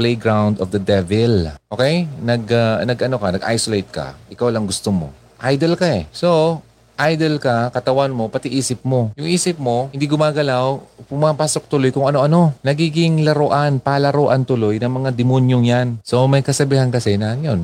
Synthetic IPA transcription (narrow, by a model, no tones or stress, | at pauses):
plejɡɹawnd̪ofd̪ɐd̪ɛvɪlʔʔoːkɛjnɐɡɐnɐɡʔɐno̞kɐnɐɡʔa̰jsolejt̪̚kɐ̰ʔɪkawlɐŋɡʊst̪omo̞̰ | ʔajd̪ɛlkaɛso | ʔajd̪ɛlkɐkɐt̪ɐwanmo̞pɐt̪ɪʔiːsɪp̚mo̞jʊŋʔiːsɪp̚mo̞hɪnd̪iɡʊmaːɡɐlawpʊmapaːso̞k̚t̪ʊlo̞jkʊŋɐno̞ʔɐno̞nɐɡiːɡɪŋlɐɾoʔanpalɐɾoːʔɐnt̪ʊlo̞jnɐŋmɐŋad̪ɪmonjoŋjanso̞mɐjkɐsɐbiːhɐnkɐsɛnɐŋjon